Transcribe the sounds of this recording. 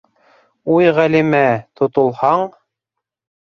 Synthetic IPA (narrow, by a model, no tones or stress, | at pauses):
ujʁælimæt̪ŏt̪ŏlˠhɑɴ